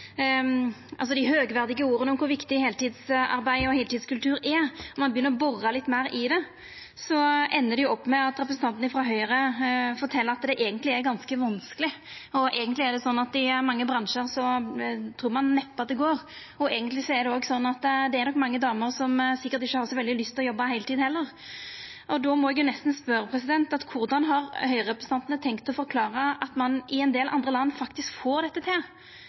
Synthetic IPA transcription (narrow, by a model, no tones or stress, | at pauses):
ʔɑ̰lsɔd̪ɪɦøːɡʋæɾd̪ɪɡəuːɾənɔmkʰʊɾʋɪkt̪ɪheːlt̪ɪd̪sɑ̰ɾbæɪɔheːlt̪ɪːd̪skʉlt̪ʰʉːɾɛɔmɑnbəjʏnːəɾɔbɔrːɑlɪt̪ːmæɪɾɪd̪ɛ | sɔʔɛnːədɛjʊɔpːmɛɑt̪ɾɛp̬ɾəsn̩t̪ɑnt̪nəɪfɾɑɦœʏɾəfɔʈ̪ʰɛlːəɾɑt̪d̪ɛʔɛːɡənt̪lɪæɾɡɑnskəʋɑnskəlɪɔʔɛːɡənt̪lɪæɾɖ̪ɛsɔnːɑt̪ɪæmɑŋːəbɾɑnʂəɾsɔt̪ʰɾuːɾmɑnːɛpːɑt̪̚d̪ɛɡoːʁ | ɔɛːɡənt̪lɪsɔɛɾd̪ɛoːɡsɔnːɑt̪d̪ɛːɾnɔkmɑŋːəd̪ɑːməɾsɔmsɪkːəɾt̪ɪçːəhɑɾsɔʋɛld̪ɪlʏst̪ʰːɪlɔjɔbːɑhæɪlt̪ʰiːd̪hɛlːəʁ | ʔɔd̪ɔmɔɛɡjʊnɛst̪n̩spœɾəpʰɾɛsɪd̪ɛnt̪ɑt̪kʰʊɾd̪ɑnɦɑɾhœʏʁɛpɾəst̪ɑnt̪ənət̪ʰɛŋkt̪ɔfɔɾkʰlɑːɾəɑt̪mɑnʔɪɛnd̪eːlʔɑ̰nd̪ʁəlɑnːfɑkt̪ɪskfoːɾd̪ɛt̪ːət̪ʰɪl